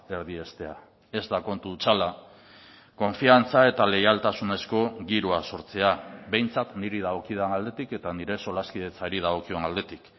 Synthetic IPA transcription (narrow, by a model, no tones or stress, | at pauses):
eɾð̞ie̞st̪e̞a | e̞zd̪ako̞nt̪ut͡sala | ko̞ɱfiant͡sae̞t̪ale̞jalt̪asune̞sko̞ɣiɾoaso̞ɾt͡se̞aβe̞jnt͡sat̪niɾið̞aɣo̞kiðanald̪e̞t̪ike̞t̪aniɾe̞so̞laskiðe̞t͡saɾið̞aɣo̞kio̞nald̪e̞t̪ik